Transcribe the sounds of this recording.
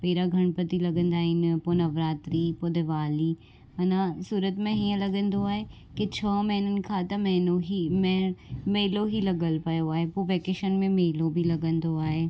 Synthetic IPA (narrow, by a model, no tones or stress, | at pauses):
peːɾaɡʱɐɽ̃pət̪ilɐɡə̃nd̪aːɦɪnɪponɐʋɾaːt̪ɾipod̪eʋaːli | ɐnasuːɾət̪mẽɦiːə̃lɐɡə̃nd̪oaːɦe | ket͡ɕʰɔːmɐɦɪnənɪ̆kʰãt̪ɐmɐnoɦimmeːɪloɦilɐɡəlpɐjoaːɦepoʋeːkeːʃənmẽmeːlobʱilɐɡə̃nd̪oaːɦeː